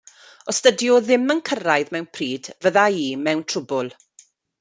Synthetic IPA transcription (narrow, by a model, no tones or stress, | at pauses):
ɔstədjɔðɪmənkʰərajðmɛwnpʰriːdvəðaiːmɛwntʰrʊbʊlˠ